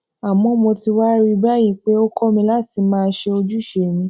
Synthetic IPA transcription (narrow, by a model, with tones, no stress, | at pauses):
a˨mɔ̃˨˦mõ˧ti˧wa˦ɾi˧ba˦˨ji˨˧˨k͡pe˦o˦kɔ˦mĩ˧la˦˨ti˨˦mãː˦˧˦ʃe˧o˧d͡ʒu˦˨ʃe˧˨m̃ĩ˧